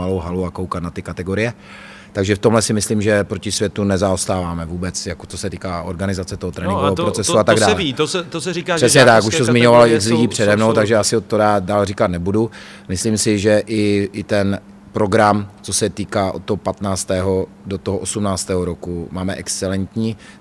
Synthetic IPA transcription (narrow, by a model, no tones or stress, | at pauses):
alowɦaluakowkat̪nat̪ɪkat̪ɛɡo̞ɾɪjɛ | t̪aɡʒɛft̪omlɛsɪmɪsliːmʒɛpɾo̞cɪsvʲjɛt̪unɛzaost̪aːvaːmɛvuːbɛt͡sjakot͡sosɛt̪iːkaːʔoɾɡanɪzat͡sɛt̪oɦot̪ɾɛːnɪŋɡɡovɛpɾot͡sɛsuat̪aɡdaːlɛiɛt̪osɛɾiarɛsɲɛt̪akuʃt̪ozmɪɲovalɪzliɟiːpr̝̥ɛdɛmnowt̪aɡʒɛjaːsɪot̪odaːdaːlrikat̪nɛbudu | mɪsliːmsɪʒɛʔɪɪt̪ɛn | pɾo̞ɡɾamt͡sosɛt̪iːkaːʔot̪t̪ːoɦopat̪naːt͡st̪ɛːɦo | dot̪oɦoʔosumnaːt͡st̪ɛːɦoɾokumaːmɛʔɛkst͡sɛlɛnt̪ɲiː